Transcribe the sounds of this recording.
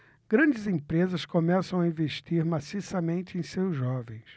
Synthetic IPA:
ɡ̥ɾɐ̃d͡ʒɪzẽpɾezɐskomɛsɐ̃w̃aĩveʃt͡ʃiɾmasisɐmẽnt͡ʃɪẽj̃sewzːɔvẽj̃s

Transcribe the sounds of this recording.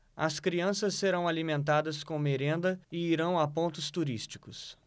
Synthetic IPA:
ɐ̰skɾiɐ̃sɐsːeɾɐ̃w̃alimẽnt̪ad̪ɐskõw̃meɾẽnd̪ɐɪiɾɐ̃w̃apõnt̪ʊst̪uɾist͡ʃi̥kʊs

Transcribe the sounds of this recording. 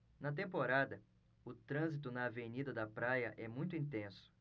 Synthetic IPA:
nɐt̪̬ẽmpoɾad̪ɐ | ʊt̪ɾɐ̃zit̪ʊnɐːvenid̪ɐd̪ɐpɾajɐʔɛmũj̃t̪̬ʊĩnt̪ẽsʊ̥

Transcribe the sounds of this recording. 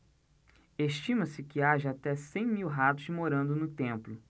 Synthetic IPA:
eʃt͡ʃĩmɐsɪkɪaʒɐat̪ɛsẽj̃miwɦat̪ʊzd͡ʒɪmoɾɐ̃nd̪ʊnʊt̪ẽmplʊ

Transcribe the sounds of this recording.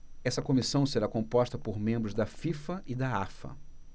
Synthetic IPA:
ɛsɐkomisɐ̃w̃seɾakõpɔst̪ɐpoɾmẽmbɾʊzd̪ɐfifɐʔɪd̪aafɐ̰

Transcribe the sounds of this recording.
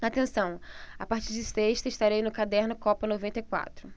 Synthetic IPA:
at̪ẽsɐ̃w̃apaχt͡ʃiɾd͡ʒɪseʃt̪ɐiʃt̪aɾejnʊkad̪ɛɾnʊkɔpɐnovẽnt̪ɐjkwa̰t̪ɾʊ

